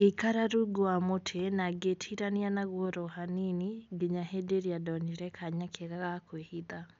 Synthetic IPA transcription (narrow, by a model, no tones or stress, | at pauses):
ikaɾaɾuɡoamotʰenaɡetʰiɾanianaɣwoɾɔhaniniɡeɲahedeɾiadɔniɾɛkʰaɲakʰeɣaɣakwehiða